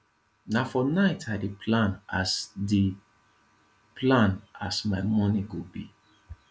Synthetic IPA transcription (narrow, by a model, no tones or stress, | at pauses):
nafɔnaɪtʰaɪdipʰlãnasdi | pʰlãnasmaɪmɔniɡobḭ